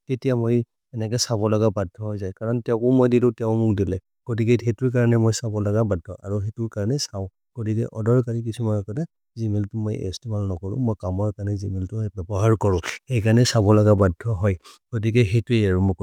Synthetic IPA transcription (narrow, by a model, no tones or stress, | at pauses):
tetijamoj | ɛnɛkɛsabɔlɔɡabadʱɔɦɔjzajkaɹɔntɛʊ̃kɔmojdidʊtɛʊ̃mʊkdilɛ | ɡ̥ot̬ikɛhetʊɹkaɹanɛmojsabɔlaɡabadʱɔʔaɹuxetʊɹkaɹnɛsaʊ̃ | ɡ̥otikɛʔɔdɔɹkaɹik̬isumanɔkɔta | zimɛltʊmojɛ̰stibalnɔkɔɹʊ̰̃mojkamɔɹkaɹnɛzimeltʊbɛbɔɦaɹkɔɹʊ̃xejkaɹanɛsabɔlaɡabadʱɔɦɔj | ɡ̥ot̬ikɛxejtueaɹumɔk